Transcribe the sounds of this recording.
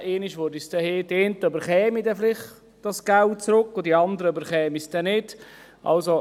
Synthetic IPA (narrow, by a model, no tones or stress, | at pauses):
eːnɪʃʋʊɾdisd̥ɛhed̥entəøbəɾχɛːmidɛfɪlɪχ | d̥ɑsɡ̥ælt̚t͡sɾʊkːʊdiɑnd̪əɾəøbəɾχɛːmisd̥ɛnɪd | ʔɑ̰lso